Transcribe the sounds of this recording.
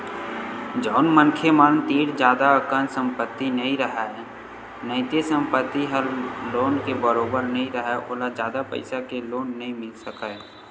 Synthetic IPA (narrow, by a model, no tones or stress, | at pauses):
d͡ʒɔːnmənkʰemaːnt̪iːɾd͡ʒjaːd̪aəkənsə̃mpət̪ːinɐɦĩɾəɦaɛ | nəɪt̪esə̃mpət̪ːiɦəɾloːnkebəɾoːbəɾnɐɦĩɾəɦaʔo̰ːlad͡ʒjaːd̪apə̰ɪsakeloːnːɐɦĩmɪlsəkaɦɛː